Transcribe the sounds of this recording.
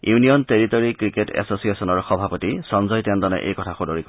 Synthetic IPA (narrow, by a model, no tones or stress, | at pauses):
junijɔnteɹitɔɹikɹiketɛ̰sosiesɔnɔɹxɔbʱapɔtisɔnzɔjtɛndɔnɛ̰ʔḛjkɔtʰaxudoɹikɔ